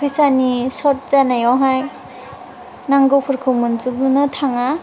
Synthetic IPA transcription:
pʰisanisɔt̚zanajɔwɦaj | naŋɡɔwpʰɯɾkʰɯwmɯnzubunɯtʰaŋa

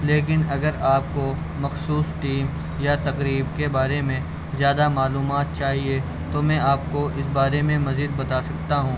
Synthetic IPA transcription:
leːk̬ɪnɐɡəɾaːp̚ko | mɐxsuːsʈiːm | jat̪ɐqɾiːbkebaːɾemẽ | zjaːd̪amaːluːmaːt̪̚t͡ʃaːɦie | t̪omɛ̃aːp̚koʔɪs̬baːɾemẽmɐziːd̪̚bɐt̪aːsɐk̚t̪aɦũː

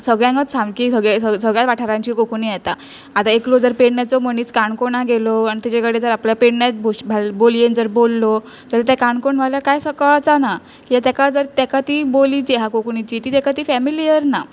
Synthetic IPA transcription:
səɡɭjãŋɡət͡ssãmkisəɡɭeəsəɡɭjat̪ʋaʈʰaɾaɲt͡ɕiːkokɳijɛt̪a | at̪aeklod͡zəɾpeɽnjat͡sɔməɳiːt͡skaɳkoɳaɡelɔanit̪it͡ɕekəɽed͡zəɾapljapeɽnjat͡sbʱobʱalbolijend͡zəɾbolːɔ | d͡zəɾet̪̬jakaɳkoɳʋaljakajsəkəɭt͡sana | kijat̪ɛkad͡zəɾt̪ɛkat̪iːbolit͡ɕeɦakokɳit͡ɕiːt̪iːt̪ɛkat̪iːfɛmilijəɾna

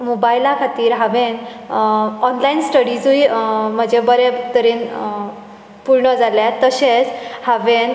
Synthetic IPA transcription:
mobailakʰat̪iːɾɦaʋen | ɔnlainsʈəɽid͡zuim̤əd͡ʑebəɾet̪əɾiːn | puɾɳəd͡zaljat̪əɕet͡shaʋen

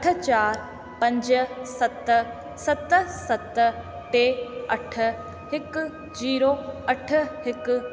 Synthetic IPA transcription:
əʈʰt͡ʃaːɾ | pɐ̃ɲd͡ʒsɐt̪ | sət̪sɐt̪ | ʈeːəʈʰ | hɪk | d͡ʒiːɾoːəʈʰhɪk

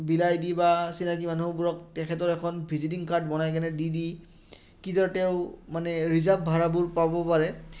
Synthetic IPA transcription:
bilajdibasinakimanubuɹɔk̚tɛkʰɛtɔɹɛkʰɔnbʱizit̬iŋkaɹdbɔnajk̬ɛnɛdidi | kizɔɹtɛʊmanɛɹizabbʱaɹabuɹpabɔpaɹɛ

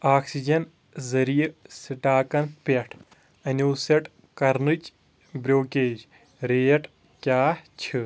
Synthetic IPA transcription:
aːksid͡ʒɐn | zɐɾijsiʈaːkɐnpɐʈʰ | ɐnʲoːsɐʈ | kɐɾnɨt͡ʃ | bɾʲoːkʲeːd͡ʒ | ɾeːɐʈʰ | kʲaːt͡ʃʰi

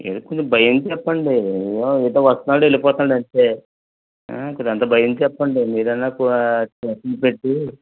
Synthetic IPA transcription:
elikot͡ʃombʱɐjɐnd̪t͡ʃɛpːɐɳɖijoid̪ɐʋɐst̪ɐnaːɽue̞lipɔːt̪aːɳɖɐɳʈe̞ː | a̰koɐnt̪ɐbʱɐjɐnd̪t͡ʃɛpːɐɳɖimiːɾɐnːaːkut͡ʃɐsinipeʈːi

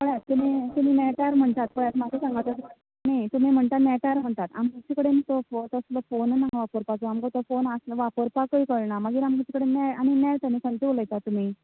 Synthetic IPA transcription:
məɭjat̪t̪imit̪umimɛʈaɾm̤əɳt̪at̪pəɭjat̪mad͡zesãŋɡat̪ət̪ | net̪um̤im̤əɳt̪at̪nɛʈaɾm̤əɳt̪at̪amɡut͡ɕikəɽenit̪ot̪əsləfonnaɦʋapəɾpat͡soamkət̪əfonasʋapəɾpakəikəɭɳamaɡiːɾamkut͡ɕikəɽenɛjañinɛɭt̪anisənʈ̪iʋoləjt̪at̪ːum̤iː

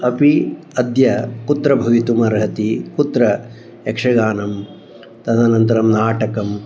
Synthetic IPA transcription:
ɐpi | ɐd̪jɐkut̪ɾɐbʱɐʋit̪umɐɾɦɐt̪ikut̪ɾɐ | ekʂɐɡaːnɐm | t̪ɐd̪ʱanɐnt̪ɐɾɐmnaːʈɐkɐm

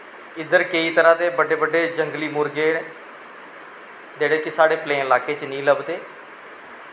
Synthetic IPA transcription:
ɪd̪əɾkəiːt̪əɾãːd̪eːbəɖeːbəɖeːd͡ʒəŋɡliːmʊɾɡeːɽ | d͡ʒ̪eːɽeːkɪsaːɽeːplẽːɪlaːkeːt͡ʃnĩːləbd̪eː

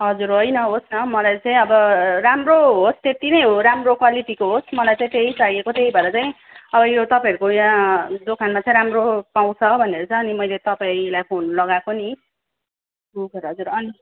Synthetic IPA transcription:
ɦʌd͡zuɾʌjnʌɦosnʌmʌlajt͡saĩʌbʌramroɦost̪et̪inʌjɦoɾamrokwaliʈikoɦosmʌlajt͡saĩt̪eɦisaijekot̪eɦibʱʌɾʌt͡saĩ | ʌbʌjot̪ʌpãʌɾukojãd͡zokʰanmat͡saĩɾamropaw̃t͡sʰʌbʱʌneɾot͡sʰʌːnimʌjlet̪ʌpaĩlajpʰonlʌɡakoni | ɦkʌɾɦʌd͡zuɾʌni

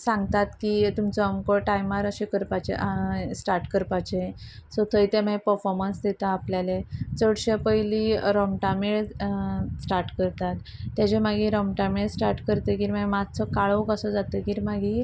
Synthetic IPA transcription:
sãŋɡt̪at̪kit̪umt͡sɔəmkɔʈajmaɾəɕẽkəɾpat͡ɕḛʔsʈaɾʈkəɾpat͡ɕesɔt̪ʰəjt̪emapəɾfɔɾmənsd̪et̪aːpljalet͡səɽɕəpəjliɾɔmʈameɭ | sʈaɾʈkəɾt̪at̪ːjat͡ɕemaɡiɾɔmʈameɭsʈaɾʈkəɾt̪ekiɾmajmad͡zt͡sɔkaɭəkəsɔd͡zat̪əkiːɾmaɡʱi

